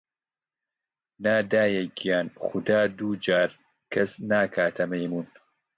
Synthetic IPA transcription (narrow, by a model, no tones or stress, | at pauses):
naːd̪aːjɛjɡijaːnxʊd̪aːd̪uːd͡ʒaːɾ | kʰɐsnaːkʰaːt̪ʰɐmɐjmuːn